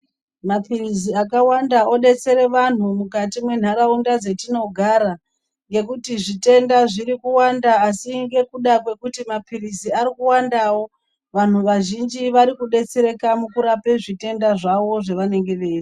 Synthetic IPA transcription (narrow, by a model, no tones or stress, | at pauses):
mapiriziakawandaoɗe̞t͡se̞ɾe̞ʋan̤umukatimwe̞n̤aɾaundad͡ze̞tino̞ɡʱaɾa | ŋɡe̞kutiʐite̞ndaʐiɾikuwandaːsiŋɡe̞kuɗakwe̞kutimapʰiriziaɾikuwandawo̞ | ʋan̤uʋaʒind͡ʒiʋaɾikuɗe̞t͡se̞ɾe̞kamukuɾape̞ʐite̞ndaʐaʋo̞ʐe̞ʋane̞ŋɡe̞ʋe̞ːri